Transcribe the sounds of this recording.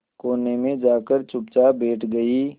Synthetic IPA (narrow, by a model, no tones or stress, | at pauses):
koːnemẽd͡ʒaːkəɾt͡ʃʊp̚t͡ʃabeːʈʰɡɐiː